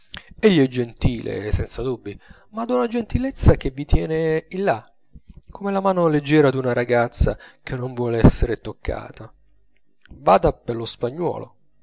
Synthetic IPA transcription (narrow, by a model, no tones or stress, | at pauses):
eʎːiɛd͡ʒːent̪iːlḛsɛnt̪sad̪ubːi | mad̪unad͡ʒent̪ilet̪sːak̟evːit̪jɛːneilːa | kʰːomɛlamaːnoled͡ʒːɛːɾad̪unaɾaɡat̪sːa̰k̟ʰenːoɱvwɔːleɛsːeɾet̪okʰːa̰ːt̪a | vaːd̪aperlospaɲːwɔ̰ːlo̰